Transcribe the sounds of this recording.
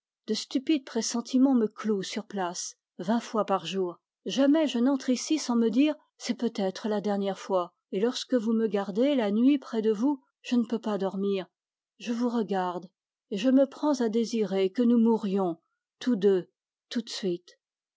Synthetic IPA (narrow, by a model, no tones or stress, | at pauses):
d̪əst̪ypid̪̚pχesɑ̃t̪ʰimɑ̃məklosyʁplas | vɛ̃fwapaʁʒuːʁ | ʒamɛʒənɑ̃t̪χisisɑ̃məd̪iːʁ | sɛpøt̪ɛt̪χəlad̪ɛʁnjɛʁfwa | elɔʁskəvuməɡaʁd̪elanɥipχɛd̪əvu | ʒ̥ənəpøpad̪ɔʁmiːʁ | ʒəvuʁəɡaʁd̪ | eʒəməpχɑ̃zad̪eziʁekənumuʁjɔ̃ | t̪ud̪ø | t̪ːut̪sɥit̪